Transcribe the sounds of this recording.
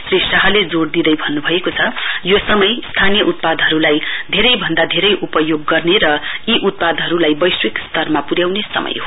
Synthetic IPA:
srisaɦʌled͡zoɽd̪id̪ʌjbʱʌnːubʱʌekot͡sʰʌjosʌmʌjst̪ʰanijʌʔut̪̚pad̪ɦʌɾulajd̪ʱeɾʌjbʱʌnd̪ad̪ʱeɾʌjʔupʌjoɡːʌrneɾʌiʔut̪̚pad̪ʌɾulajbʌjswekst̪ʌrmapuɾjawnesʌ̰mʌ̰jɦo

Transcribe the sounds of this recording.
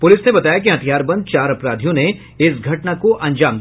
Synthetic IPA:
pʊlɪsnebɐt̪aːjak̬iɦɐt̪ʰijaːɾbɐ̃nd̪̚t͡ʃaːɾɐpɾaːd̪ʱijõne | ɪsɡʱɐʈnakoʔɐ̃ɲd͡ʒaːm

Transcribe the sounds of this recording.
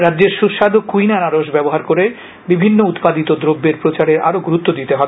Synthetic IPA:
ɾadːd͡ʑeɾʃuʃad̪okujnanaɾoʃbɛboɦaɾkoɾe | bibʱinːout̪pad̪it̪od̪ɾobːeɾpɾot͡ɕaɾeɾa̰ɾoɡuɾut̪ːod̪it̪eɦɔ

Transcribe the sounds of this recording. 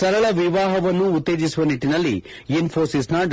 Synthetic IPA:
sɐɾɐɭɐʋiʋaːɦɐʋɐnːuːt̪ːe̞ːd͡ʒisuʋɐniʈːinɐlːḭ | inpʰoːɾsisnɐɖ

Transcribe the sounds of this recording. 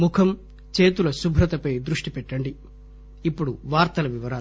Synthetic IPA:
mukʰɐm | t͡ʃeːt̪ulɐsubʱɾɐt̪ɐpɐjd̪ɾuʂʈipɛʈːɐɳɖiː | pːuɽuʋaːɾt̪ɐlɐʋiʋɐɾaː

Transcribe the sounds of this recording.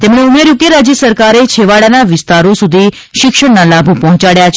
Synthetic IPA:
t̪emɳeumeɾjuɡeɾad͡ʒjəsəɾkaɾet͡ʃʰeʋaɽanaʋɪst̪aɾosud̪ʱi | ʃɪkʃəɳnalabʱupɔɦɔ̃t͡ʃaɽjat͡ʃʰ

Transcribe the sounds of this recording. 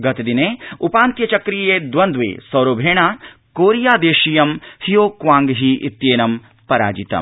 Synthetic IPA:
ɡɐt̪ɐd̪ineːupaːnt̪jɐt͡ʃɐkɾijjeːd̪ʋɐnd̪ʋḛːsɐwɾoːbʱeːɳaː | koːɾjaːd̪eːʃijɐmhijoːkʋaːŋɡɦiʔit̪jeːnɐm | pɐɾa̰ːd͡ʒit̪ɐ̰m

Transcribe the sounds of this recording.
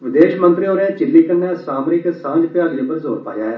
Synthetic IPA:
ʋɪd̪eːʃmə̃nt̪ɾioːɾẽːt͡ʃɪlːiːkənːẽːsaːmɾɪksãːd͡ʒpjaːlijə̃bəɾzoːɾpa̰ːd͡ʒaːeː

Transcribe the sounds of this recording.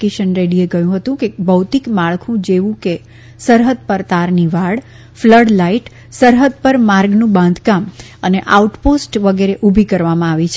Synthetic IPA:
keʃənɾeɽieɡəjũɦət̪ũkebəwt̪ikmaɭkʰũd͡ʒeʋũke | səɾɦəd̪̚pəɾt̪aɾniʋaɽ | fləɽlaiʈ | səɾɦəd̪̚pəɾmaɾɡnũbãnd̪ʱkam | əneʔauʈposʈʋəɡeɾeʔubʱikəɾʋamãaʋit͡ʃʰ

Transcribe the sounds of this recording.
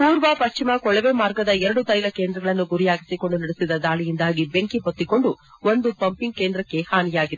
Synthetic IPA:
puːɾʋɐpɐʃt͡ʃimɐkɔɭɛʋemaːɾɡɐd̪ɐɛɾɐɽut̪ɐjlɐkeːnd̪ɾɐɡɐɭɐnːuɡuɾijaːɡisiko̞ɳɖunɐɽesid̪ɐd̪aːlijind̪aːɡibeŋkiɦot̪ːiko̞ɳɖu | ond̪upɐmpiŋɡ̚keːnd̪ɾɐkːe̞haːnijaːɡid̪e

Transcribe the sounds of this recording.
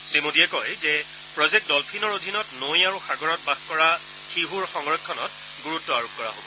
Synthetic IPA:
sɹimodiɛkɔjzɛ | pɹɔzek̚t̚dɔlpʰinɔɹodʱinɔtnojaɹuxaɡɔɹɔt̚baɡkɔɹa | xiɦuɹxɔŋɹɔkʰːɔnɔt̚ | ɡuɹutːɔaɹup̚kɔɹa̰ɦobɔ

